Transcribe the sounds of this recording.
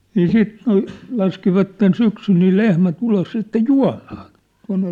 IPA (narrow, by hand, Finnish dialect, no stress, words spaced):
niː siːt l̩ lɑskiʋɑtːen syksyl niː lehmæt ulos sitːe juɑ̝mɑːn̝ tuɑn̝ne